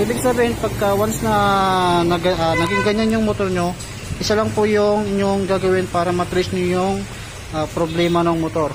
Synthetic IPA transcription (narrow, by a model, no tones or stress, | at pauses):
ʔiːbɪɡsɐbiːhɪnpɐɡ̚kɐwansnɐnɐɡʔɐnɐɡɪŋɡɐɲanjʊŋmot̪oɾɲo | ʔɪsalaŋpʊjʊŋɪɲːoŋɡaːɡɐwɪnpaːɾɐmɐt̪ɾɪsɲojʊŋ | ʔapɾoblɛːmɐnoŋmot̪o̞ɾ